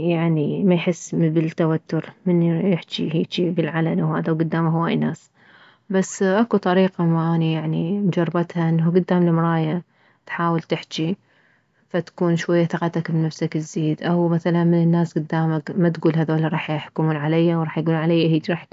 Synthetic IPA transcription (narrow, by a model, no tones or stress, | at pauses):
jaʕnimajħɪsːmɪbɪlt̪ːawat̪ːʊɾmɪnːjɪħt͡ʃḭɦiːt͡ʃibɪlʕalanwhaːðawɡʊd̪ːaːmaɦʊwaːjnaːs | basːʔakut̪ˤɑɾiːqamaʔaːnijaʕnimʊd͡ʒɑrˤːɑbat̪haʔɪnːɦuɡʊd̪ːaːmlɪmɾˤɑːja | t̪ħaːwalt̪ɪħt͡ʃi | fat̪ḁkuːnʃwajːaθɑqɑt̪akbnafsakɪzːiːd̪ʔawmaθalanmɪnɪnːaːsɡʊd̪ːaːmakmat̪ɡuːlɦaðoːlaɾˤɑːħjɪħkʊmuːnʕalajːawɾˤɑːħjɡuːlʕalajːaɦiːt͡ʃɾɑːħ